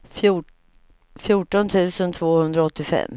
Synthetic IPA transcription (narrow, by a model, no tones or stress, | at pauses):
fjuʈɔnt̪ʰʉ̟ːsənt̪ʰvoːhɵnd̪ɾaɔt̪ːɪfɛ̰mː